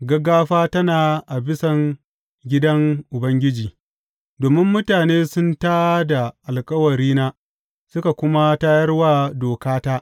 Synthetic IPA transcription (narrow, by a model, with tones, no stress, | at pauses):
ɡɐ˦ɡaː˦ɸaː˦tɐ˦naː˨ʔa˨bɪ˦sɐ˨ŋ | ɡʲɪ˦dɐ˦ŋʔʊ˨bɐ˦ŋɡʲɪ˦d͡ʒiː˨ | doː˨mɪ˦mːʊ˦taː˨neː˦sʊ˦ntaː˦da˨ʔa˨lkʼɐ˦wɐ˨ɾiː˦naː˦ | sʊ˦ka˨kʷʊ˦ma˦ta˦jɐ˦rwaː˦doː˨kaː˦taː˦ʔ